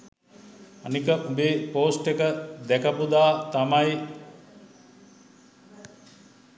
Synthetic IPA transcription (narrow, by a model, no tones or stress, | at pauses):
anikəbeːpoːsʈekəd̪ɛkapud̪aːt̪amaj